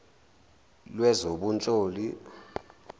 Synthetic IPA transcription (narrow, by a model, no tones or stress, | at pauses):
lwɛzoɓunt͡ɬʼoːli